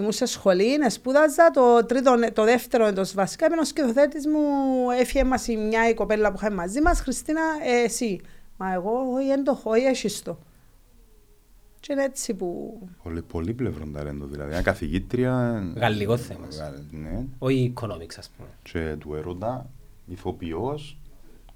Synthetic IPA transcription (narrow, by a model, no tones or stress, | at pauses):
imusesxo̞linespuðɐzːɐt̪ot̪ɾit̪̬ont̪oðeft̪eɾoend̪osvɐsi̥kaipenoskceθoθet̪izmuefiemːɐsimɲaikopelːɐpuxamimɐzimɐsxɾist̪inɐesimɐeɣo̞oiend̪oxoieʃist̪o̞ | t͡ʃeinet͡sːipupolipolːiplevɾond̪ɐ̰lḛnd̪oðḭlɐ̰ðiɐkɐθiʝit̪ɾiɐɣɐlːiɣoθːemɐneoiːkʰono̰miksɐspumet͡ʃet̪ueɾod̪ɐ | iθopios